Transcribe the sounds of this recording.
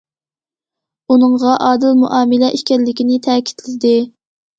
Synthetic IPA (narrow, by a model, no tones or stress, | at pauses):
unɨŋʁɑʔɑːd̪ɪlmuʔɑːmɪlɛʔiʃkʲɛɾlːɪkʲinɪt̪ʰɛːkʲʰi̥t̪ʰlɪd̪ɪ